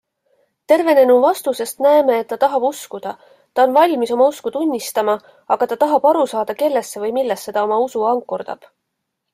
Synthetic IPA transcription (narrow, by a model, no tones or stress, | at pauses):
t̪e̞rve̞ne̞nuvɑst̪use̞st̪næeme̞ːt̪ːɑt̪ɑɦɑb̥uskud̪̥ɑ | t̪ɑonvɑlʲmiso̞mɑuskut̪unʲːist̪ɑmɑ | ɑɡ̥ɑt̪ɑt̪ɑɦɑb̥ɑɾusɑːd̪̥ɑke̞lːe̞sːe̞vɤjmilːestːe̞d̪̥ɑo̞mɑusuɑŋkːˑurd̪̥ɑ̰b̥